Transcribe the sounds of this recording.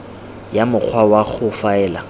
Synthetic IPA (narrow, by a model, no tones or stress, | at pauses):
jamʊk͡xʰwawaɣʊfaɛːla